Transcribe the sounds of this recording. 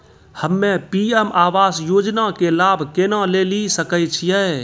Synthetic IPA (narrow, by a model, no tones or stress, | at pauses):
həmːẽpiɛmʔaːʋaːsjoːd͡ʒnakelaːbʱkenalelisəkəjt͡ʃʰijɛ